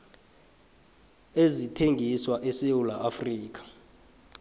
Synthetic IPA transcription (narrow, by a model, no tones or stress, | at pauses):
ezitʰeŋɡʱiswaʔɛsewulaʔafriːk̬ʼḁ